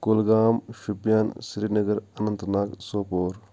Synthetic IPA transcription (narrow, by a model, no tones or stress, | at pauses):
kʊlɡaːmʃupjaːnsɾiːnɐɡəɾɐnənt̪naːksoːpoːɾ